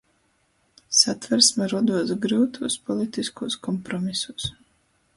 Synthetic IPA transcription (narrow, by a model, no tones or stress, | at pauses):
sat̪vɛɾsmɛɾɔd̪uɔsɡɾɨwt̪ʰuɔspɔlˠit̪iskuɔskɔmpɾɔmisus